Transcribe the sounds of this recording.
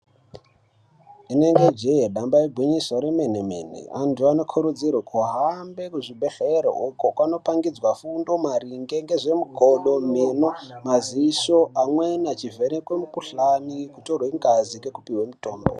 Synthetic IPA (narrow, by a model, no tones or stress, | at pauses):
ine̞ŋɡed͡ʒejeɗambaeɡʱwiɲiswaɾemenemḛnḛantʰuano̞kʰuɾud͡zirwakʰuɦambe̞kuʐibʱe̞ɬeɾo̰ʔukokwano̞paŋɡid͡zwafundo̞maɾiŋɡe̞ŋɡe̞ʐe̞muɡʱoɗo̞menomaziːʃoʔamwenat͡ʃivenekwemukuɬanikutorwiŋɡazikekupiwemuto̞ːmbo̰